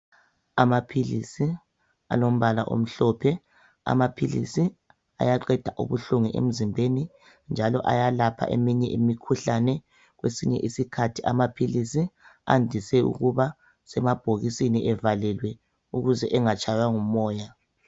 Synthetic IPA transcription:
amapʰilisi | a̰lom̩βalaʔo̰m̩ɬɔpʰɛ | a̰mapʰilḭsi | a̰jaǃɛd̥ʱaʔṵβuɬuŋiʔḛm̩zimbʱeni | nd͡ʒʱalɔʔa̰jalapʰa̰ʔemiɲɛʔimikʰuɬanɛ | ɣwesiɲɛ̰ʔisikʰatʰiʔa̰mapʰilisia̰ndʱisɛṵɣuβa | sɛmab̥ʱoɣisiniʔɛvalɛlwɛ | uɣuzɛʔɛŋat͡ʃʰʼajwaŋumɔːja

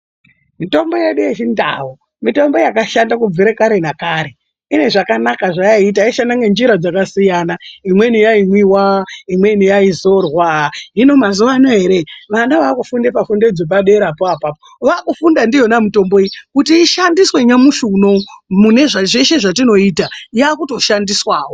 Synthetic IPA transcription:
mito̞mbo̞jeɗujet͡ʃinda̰wo | mito̞mbo̞jakaʃandakuviɾekaɾe̞nakaɾe | ine̞ʐakanakaʐait̬aiʃandaŋɡend͡ʒiɾad͡zakasijanaimwe̞nijaimwiwaimwe̞nijaizo̞rwaɦino̞mazuʋanaɦe̞ɾe̞ʋanaʋakufundepafunded͡zoɓaɗe̞ɾapoapapo | ʋakufundandijo̞namito̞mbo̞ikutiːʃandiswe̞ɲamuʃuno̞mune̞ʐaʐe̞ʃe̞ʐatino̞iːtajakuto̞ʃandiswaːwo̞

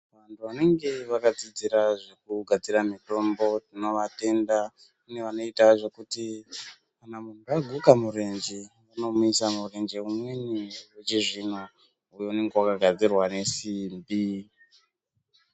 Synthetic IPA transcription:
ʋantʰuʋane̞ŋɡe̞ʋakad͡zid͡ziɾaʐe̞kuɡʱad͡ziɾamito̞mbo̞tino̞ʋate̞nda | une̞ʋano̞itaʐe̞kuti | kanamun̤uaɡʱukamure̞nd͡ʒi | ʋano̞muisamure̞nd͡ʒeumwe̞niwet͡ʃiʐina | ujeune̞ŋɡewakaɡʱad͡zirwane̞simbi

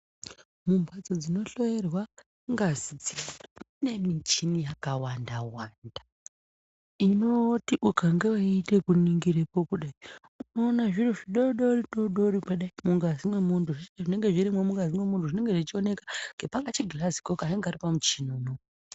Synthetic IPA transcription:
mumbʱad͡zod͡zino̞ɬo̞je̞rwa | ŋɡazid͡zi | ne̞mit͡ʃinijakawandawanda | ino̞tiʔukaŋɡewaite̞kuniŋɡiɾekokuɗai | unoːnaʐiroʐiɗoɗoriɗoɗorikweɗaimuŋɡazimwe̞muntʰuʐieʐine̞ŋɡe̞ʐiɾimwomuŋɡazimwe̞muntuʐine̞ŋɡeʐit͡ʃio̞ne̞kḁŋɡe̞paŋɡat͡ʃiɡʱilazi̥kokaneŋɡaripamut͡ʃinuːno

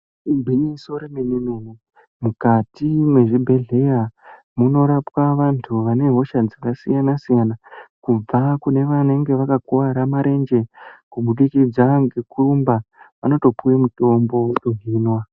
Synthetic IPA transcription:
ibʱinisoɾemenunumu | mukatimwe̞ʐibʱe̞ɮe̞ja | muno̞ɾapwaʋantʰuʋane̞ɦo̞ʃad͡zakasijanasijanakub͡vakune̞ʋane̞ŋɡe̞ʋakakuaɾamaɾe̞nd͡ʒe̞kumuɗikid͡zaŋɡe̞kurumbaʋano̞to̞puwemuto̞mbo̞ɗoɦiːnwa

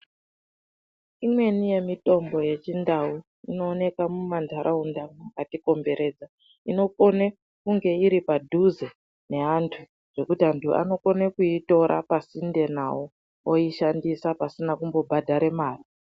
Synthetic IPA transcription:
imwe̞nije̞mito̞mbo̞je̞t͡ʃindau | ino̞ːne̞kamumantaɾʔaundaukatiko̞mbe̞ɾe̞ːd͡za | ino̞ko̞ne | kuŋɡe̞iɾipadʱuze | ne̞antʰu | ʐ̥e̞kutiantʰua̰no̞ko̞nekuito̞ɾʔa̰pasinde̞na̰o | oiʃandisapasinakumbo̞bʱadʱaɾe̞maːri

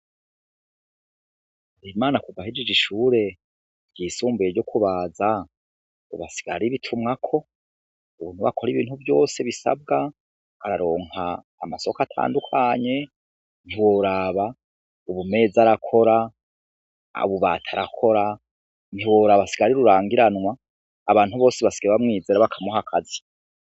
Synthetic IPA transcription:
aɾimaːnakuvahed͡ʒed͡ʒiʃuːɾe̞ | ɟiːsuːmbujeɟokʰuβaːza | ṵβasi̥ɡa̰aɾiβitʰumŋakʰo̞ | uβuːn̥huβa̰kʰoɾiβiːnhuvjo̞ːse̞βisa̰b̚ɡaː | ɾaɾo̞ːŋha̰ː | maso̞katʰa̰ːndukʰaɲe̞ | n̥hiwoɾaβa | uβume̞ːzaɾakʰo̞ɾa | uβuβa̰ːtʰaɾakʰo̞ɾa | n̥hiwoːɾaβasi̥ɡaaɾiɾuɾaːŋɡiɾanŋwaː | βaːnhuβo̞ːseβasi̥ɡaβamŋiːzeɾaβakʰamuɦakʰazi

